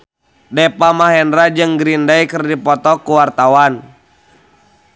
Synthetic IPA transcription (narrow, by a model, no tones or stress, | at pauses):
dɛpamaɦɛnrad͡ʒɨŋɡɾindaikərdipɔt̪ɔkuwart̪awan